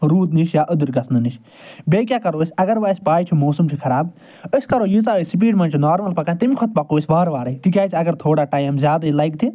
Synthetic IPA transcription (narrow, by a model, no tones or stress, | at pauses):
ɾuːd̪niʃjaːʔɨd̪ɨɾɡɐsnɨniʃ | beːk̬ʲjaːkɐɾoːsʲɐɡɐɾʋaːsʲpaːjt͡ʃʰumoːsumt͡ʃʰikʰɐɾaːb | əsʲkɐɾoːjizaːʋesip̬iːɖmɐ̃nt͡ʃʰunaːɾmɐlpɐkaːnt̪imkʰɔt̪̚pɐkoːsʲʋaːɾʋaːɾɐit̪ikʲjaːjt͡ʃʰiɐɡɐɾt̪ʰoːɽaːʈaːjmzʲjaːd̪aːilaːjk̚t̪ʰi